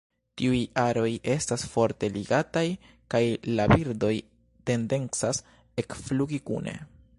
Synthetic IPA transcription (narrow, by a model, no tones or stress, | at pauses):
tiujaɾo̞jʔe̞stasfo̞ɾte̞liɡataj | kajlabiɾdo̞j | te̞nde̞nt͡sas | e̞kfluɡikṵne̞̰